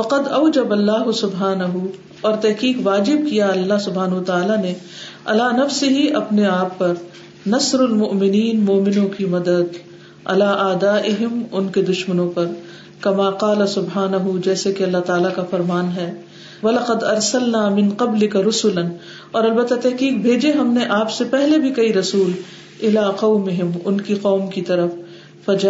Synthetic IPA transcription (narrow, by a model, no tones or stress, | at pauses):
fɐqɐd̪ɐʊd͡ʒɐbɐlːaːɦʊsʊbɦaːnɐɦu | ɔːɾt̪ɛɦkiːqʋaːd͡ʒɪb̚kijaɐlːaɦsʊbɦaːnɦʊwɐt̪aaːlane | ɐ̰laːnɐfsɪɦiʔɐpneaːpːɐɾ | nɐsɾɐlmʊʔmɪniːnmʊːmɪnõkimɐd̪əd̪ | ɐ̰laːʔaːd̪aːʔɪɦɪmʊnked̪ʊʃmənõpɐɾ | kɐmaːqaːlɐsʊbɦaːnɐɦud͡ʒɛːsekeɐlːat̪aːlakafɐɾmaːnɦɛː | ʋɐlɐqɐd̪ɐɾsɐlnaːmɪ̃nqɐblɪkaɾʊsʊlɐn | ɔːɾɐlbɐt̪ːat̪ːɛɦkiːk̚bʱeːd͡ʒeɦɐmneʔaːpsepɛɦlebʱikɐiɾɐsuːl | ɪlaːqɐʊmɪɦɪmʊnkiqɔːmkit̪ɐɾəfː | ɐd͡ʒa